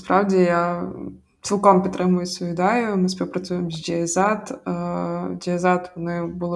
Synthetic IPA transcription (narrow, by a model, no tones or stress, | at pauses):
spɾɑwdʲɪja | t̪sʲilˠkɔmpʲɪt̪ɾɛmʊjʊsʲɔʋʲɪd̪ajʊmɨsʲpʲiwpɾɐt̪sʲujɪmzʲd͡ʒʲɛɛzat̪ | d͡ʒʲɛɛzat̪ʋɔnɪbɨlˠ